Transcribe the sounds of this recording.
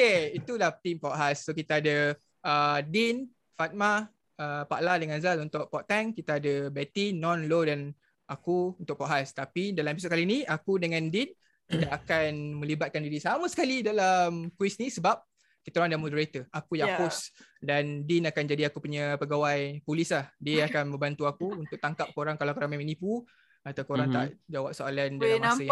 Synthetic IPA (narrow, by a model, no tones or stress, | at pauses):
okeit̪ulaht̪impɔʔɦasːok̬it̪aadə | ədin | fat̪̚ma | əpa̰ʔladəŋazalunt̪ʊʔ̚pɔʔt̪ɛŋkit̪aadəbɛt̪inɔ̃nlodan | ʔakuunt̪ʊk̚pɔʔɦast̪apidalamep̬isɔt̪̚kalinĩakudəŋãndin | kit̪aʔakanmə̃libat̪̚kandiɾisaməsə̥kalidalamkwisnisəbap̚ | kit̪aɾoãŋdamodəɾat̪əʔakujapusdandinakand͡ʒadiakupuɲəpəɡawajpulislahdiəakanmə̃mbant̪uakuunt̪ʊk̚t̪aŋkap̚koɾaŋkalakoɾaŋmãmĩnĩpu | at̪awkoɾaŋt̪a̰ʔd͡ʒawap̚soalandalamasəj